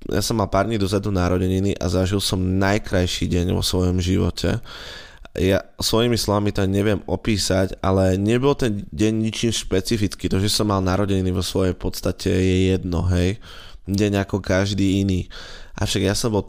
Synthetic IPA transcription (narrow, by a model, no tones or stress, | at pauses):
ja̰sɔmːalpaːɾɟɲid̪ɔzɛd̪unaɾɔɟɛɲiniʔa̰zaʒilsɔmnajkɾajʃiɟɛɲʋɔ̰sʋɔjɔmʒiʋɔ̰cʰɛ̰ | jasʋɔjimislɔʋamit̪aɲɛʋɪɛmɔpiːsaca̰lɛɲɛbɔlt̪ɛnɟɛɲɲit͡ʃiːmʃpɛt͡sifit͡skiːt̪ɔʒɛsɔmːalnaɾɔɟɛɲiniʋɔsʋɔjɛjpɔt̪st̪acʰɛjɛjɛd̪nɔ̰ɦɛj | ɟɛɲakɔkaʒd̪iːiniːʔa̰fʃaɡjasɔmbɔl